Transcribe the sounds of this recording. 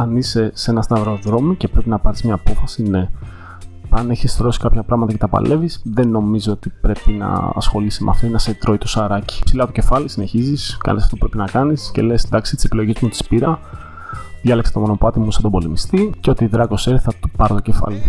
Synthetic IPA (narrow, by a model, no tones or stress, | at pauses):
ɐnise̞se̞nɐst̪ɐvɾo̞ðɾo̞mice̞pɾepinɐpɐɾizmɲɐːpo̞fɐsine̞ | ɐneçisθɾo̞si̥kɐpçɐpɾɐɣmɐt̪ɐkcet̪ɐpɐ̰le̞visðe̞nːo̞mizoo̞t̪ipɾe̞pinɐ̰ɐ̰sxo̞lisimʔɐ̰ft̪oinɐset̪ɾo̞it̪osɐɾɐci̥psilɐt̪o̞ce̞fɐlisineçiziskɐ̰nisɐft̪oupɾe̞pinɐkɐnisce̞̰lesd̪ɐksi̥t̪isepilo̞ʝismut̪i̥spiɾɐ | ðʝɐlekse̥t̪o̞mo̞no̞pɐt̪imusɐt̪obo̞limist̪iceo̞t̪iðɾɐko̞seɾiθɐt̪u̥pɐɾt̪o̞ce̞fɐ̰li